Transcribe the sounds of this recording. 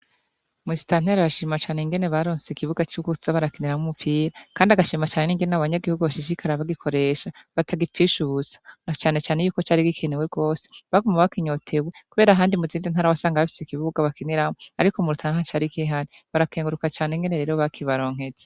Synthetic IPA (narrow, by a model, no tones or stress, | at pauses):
muisi̥tan̥eɾaɾaʃiːmat͡ʃaːneiŋɡe̞ne̞βaɾoːnseikiβuɡat͡ʃukuzaβaɾakeniɾamumupʰiːɾakaːndiaɡaʃiːmat͡ʃaːne̞niːŋɡenenaβaɲaɡihuɡuβaʃiʃ̬ikʰaɾaβaɡikʰo̞ɾe̞ːʃaβatʰaɡipp͡fiʃuzḁnat͡ʃaːne̞t͡ʃaːne̞juːko̞t͡ʃaːɾiɡikʰenewe̞ɡo̞ːse̥βaɡomaβakiɲo̞tʰe̞wekuβe̞ːɾaɦaːndimuziːndinhaːɾawasaːŋɡaβafi̥sikiβuɡaβakiniɾamoaɾikomuɾutʰananat͡ʃaːɾikiɦaɾi | βaɾakeːŋɡuɾukat͡ʃaːneŋɡe̞ne̞ɾe̞ːɾoβakʰiβaɾo̞ːŋ̥e̞d͡ʒe